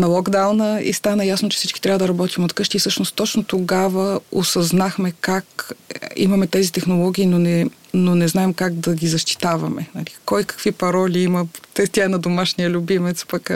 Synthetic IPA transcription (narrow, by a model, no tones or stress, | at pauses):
nɐlˠɔɡd̪awnəḭst̪anɐjasnoʊt͡ʃɛ̥sit͡ʃki̥t̪ɾʲavəd̪ɐɾɐbɔt̪imot̪kɤʃt̪iːfsɤʃnost̪ːɔt͡ʃnot̪oɡavəo̰sɐznaxmɛkak | ḭmɐmɛt̪ɛzit̪ɛxnolˠɔɡʲiːnonɛnonɛznaɛmkaɡ̚d̪ɐɡʲizɐʃt̪i̥t̪avɐmɛ̰nɐlikɔjkɐ̥kvipɐɾɔlʲiimət̪ɛt̪ʲanɐd̪omaʃnijəlʲubimɛt̪spɐk